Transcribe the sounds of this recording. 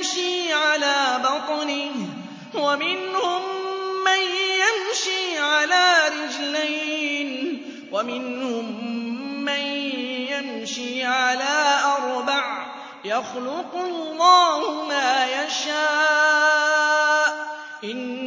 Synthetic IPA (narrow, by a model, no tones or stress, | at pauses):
ʃiːʕalaːbɑt̪ˤnɪ | wamɪnhʊmːanjamʃiːʕalaːɾɪd͡ʒlajn | wamɪnhʊmː | anjamʃiːʕalaːʔɑɾˤbaʕ | jaxlʊqʊlːɑːhʊmaːjaʃaː | ʔ | ʔɪn